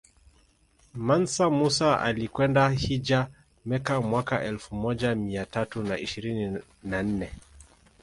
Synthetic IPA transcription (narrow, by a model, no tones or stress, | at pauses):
mansamusaʔa̰likwɛndahid͡ʒa | mɛkamwakaʔɛlfumɔʄamiatatunaiʃiɾini | nan̩nɛ